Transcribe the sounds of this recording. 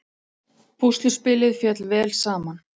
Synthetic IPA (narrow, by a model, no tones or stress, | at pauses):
pʰust̪lʏ̥spɪːlɪðfjɛt̪lvɛːlsaːman